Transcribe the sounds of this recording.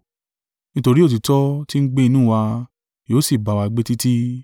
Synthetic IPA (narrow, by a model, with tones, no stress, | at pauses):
nĩ˦to˧ɾi˦o˦˨t̬i˨tɔ˦ti˦n̩˦ɡ͡be˦˧nũ˦˨wa˧ | joː˨˦si˦˨ba˨˧wa˧i˧ɡ͡be˦ti˦ti˦